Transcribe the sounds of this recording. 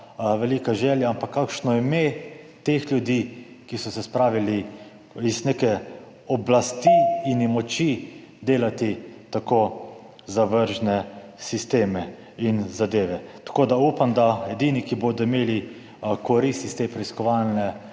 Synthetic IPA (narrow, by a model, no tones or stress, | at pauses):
ʋɛlikaʒɛːljaampakːakʃnɔime | t̪exlʲjud̪i | kisɔsɛspɾaːʋili | iznekɛ | ɔblast̪iinmɔt͡ʃi | d̪eːlat̪it̪ako | zaʋəɾʒnɛsist̪eːmɛ | inzad̪eːʋɛt̪ḁkoːd̪auːpamd̪aɛd̪iːnikiboːd̪ɔimeːli | kɔɾist̪ist̪epɾɛiskɔʋalnɛ